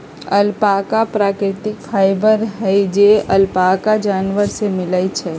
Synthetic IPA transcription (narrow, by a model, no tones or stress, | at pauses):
əlpakapɾaːkɾɪʈɪkfʰaːɪbəɾɦɛjd͡ʒeəlpakad͡ʒaːnʋəɾsemɪlət͡ʃʰɛː